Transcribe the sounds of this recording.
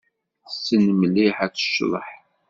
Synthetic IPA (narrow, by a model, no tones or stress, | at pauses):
sːənməlːiħæt͡sːə̥ʃːðˤə̰ħ